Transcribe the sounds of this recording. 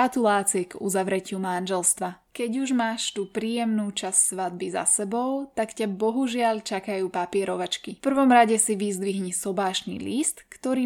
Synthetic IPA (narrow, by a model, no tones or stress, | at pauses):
at̪ulaːt͡siɛɡṵzaʋɾɛcɪumanʒɛlst̪ʋakɛɟuʒmaːʃt̪uːpɾiːjɛmnuːt͡ʃassʋad̪̚biza̰sɛbɔʊt̪akcabɔɦuʒɪaʎt͡ʃakajuːpapɪɛɾɔʋat͡ʃkifpr̩ʋɔmɾaɟɛsiʋizd̪ʋiɦɲisɔbaːʃnḭlist̪kt̪ɔɾiː